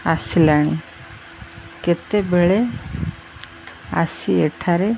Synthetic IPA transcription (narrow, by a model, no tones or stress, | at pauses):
asilaɽ̃i | ket̪ebʱeɭe | a̰sieʈʰaɾe